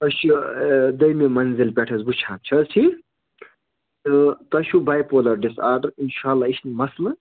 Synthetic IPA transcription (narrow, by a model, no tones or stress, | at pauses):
ɐʃud̪ɐjmemɐnzilpʲɛʈʰɐzbut͡ʃʰaːnt͡ʃʰɐsʰi | t̪ɐʃubajpoːlɐɾɖisaːd̪ɐɾinʃaːlːaːiʃʰnmɐslɨ